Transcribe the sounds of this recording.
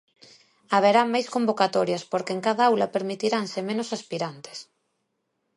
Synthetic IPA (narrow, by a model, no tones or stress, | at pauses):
aβ̞eɾaŋmajskombokat̪oɾjaspoɾkeŋkaðaawlapeɾmit̪iɾansemenosaspiɾant̪e̥s